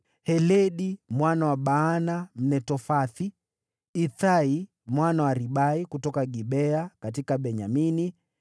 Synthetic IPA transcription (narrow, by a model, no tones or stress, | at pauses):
hɛlɛɗimwanawaɓaːnam̩nɛtɔfaθi | iθai | mwanawaɾiɓaikutɔkaɡiɓɛakat̬ikaɓɛɲamini